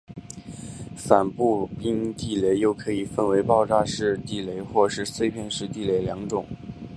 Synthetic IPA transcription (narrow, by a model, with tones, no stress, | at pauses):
fa˨˩npu˥˩pi˥ŋt̪i˥˩le˧˥ɪjo˥˩ʊkʰɤ˧˥i˨˩fə˥˩nwe˧˥ɪpɑ˥˧ʊʈ͡ʂa˥˧ʂɻ̩˥˧t̪i˥˩le˧˥ɪxwɔ˥˧ʂɻ̩˥˧swe˥˧ɪpʰjɛ˥˧nʂɻ̩˥˧t̪i˥˩le˧˥ɪljɑ˧˥ŋʈ͡ʂʊ˨˩˦ŋ